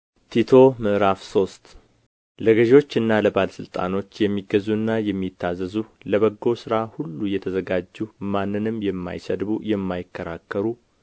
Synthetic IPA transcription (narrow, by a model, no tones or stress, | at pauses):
t̪ʰit̪ʰo̞mɨʔɾafso̞st̪ | ləɡəʒo̞t͡ʃːɨnːaləbaləsɨlt̪ʼa̰no̞t͡ʃːjɛmːiɡəzuɨnːajɛmːit̪ʰːazəzuləβəɡːo̞sɨɾahulːujɛt̪ʰəzəɡad͡ʒːumanːɨnɨmjɛmːa̰jsəd̪bujɛmːajɪkːəɾa̰kːəɾu